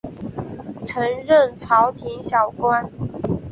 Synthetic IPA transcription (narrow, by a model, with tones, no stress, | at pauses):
ʈ͡ʂʰɤ˧˥ŋɻə˥˨nʈ͡ʂʰɑ˧˥ʊt̪ʰi˧˥ŋɕjɑ˨˩ʊkwa˦˥n